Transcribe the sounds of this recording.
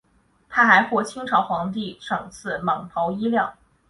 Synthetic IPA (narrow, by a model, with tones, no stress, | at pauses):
t̪ʰa˥xa˧˥ɪxwɔ˥˩t͡ɕʰi˥ŋʈ͡ʂʰɑ˧˥ʊxwɑ˧˥ŋt̪i˥˩ʂɤ˨˩ŋt͡sʰɹ̩˥˩mɑ˨˩ŋp̪ʰɑ˧˥ʊi˥ljɑ˥˩ʊ